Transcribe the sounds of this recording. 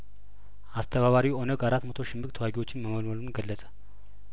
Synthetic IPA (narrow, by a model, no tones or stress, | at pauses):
ʔast̪ʰəβaβaɾiwo̞nəɡaɾat̪ːmət̪ʰo̞ʃɪmbɨk̚ʼt̪ʰəwaɡiwo̞t͡ʃːɪnməməlməlumɡəlːəsʼə̥